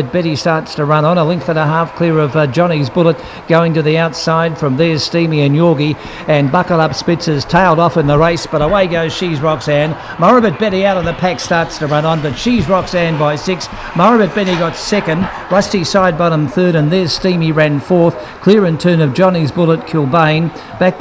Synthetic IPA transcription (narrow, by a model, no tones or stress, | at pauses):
ɨt̚b̥ɛɾistɑɹtstʰɨɹʌ̃nə̃nəlɪ̃ŋk̚θɨɾəɦæfkʰl̥ɪɹʌvd͡ʒɑñizbʊlˠət̚ | ɡ̥oʊɪ̃ŋtɨðiaʊtsaɪd̥fɹʌ̃mðə˞stĩmiɨ̃njɔɡi | ɨ̃nbʌklɾʌpspɪtsɨz̥tʰeɪlˠɾɔfɨ̃nðəɹeɪsb̥ʌɾəweɪɡoʊz̥ʃizɹɑksæ̃n | mɑɹɨbɨt̚b̥ɛɾiaʊɾən̩ðɨpʰækstɑɹtstʰəɹʌ̃nə̃nbʌtʃizɹɑksæ̃nbaɪsɪks | mɑɹɨbɨt̚b̥ɛɾiɡɑtsɛkɨ̃nd | ɹʌstisaɪd̚bɑɾə̃mθɜ˞ɾɨ̃nðə˞stĩmiɹæ̃nfɔɹθ | kʰl̥ɪɹɨ̃ntʰɜ̃˞nʌvd͡ʒɑnizbʊlˠət̚kʰɪlˠbẽɪ̃n | b̥æk̚